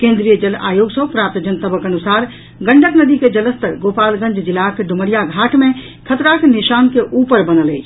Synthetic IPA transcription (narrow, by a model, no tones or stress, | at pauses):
kẽnd̪ɾijəd͡ʒəla̰joɡsə̃ɦpɾap̚t̪d͡ʒənt̪əbəkənusaɾ | ɡəɳɖʱəknəd̪iked͡ʒələst̪əɾɡopalɡə̃ɲd͡ʒd͡ʒilakeɖʱuməɽijaɡʱaʈʰmẽ | kʰət̪ɾakniʃaːnkeʔupəɾbənəlɛ̰t͡ʃʰ